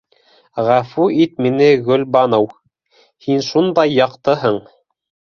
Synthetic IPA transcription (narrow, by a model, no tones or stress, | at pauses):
ʁæfuit̪minɘɡɵ̆lbɑnow | hinʃund̪ɑjːɑqt̪ɤɦɤɴ